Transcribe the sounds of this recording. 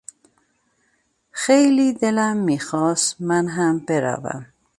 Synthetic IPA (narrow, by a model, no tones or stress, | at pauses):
xejlid̪elamːixɔːst̪manɦambeɾa̰va̰m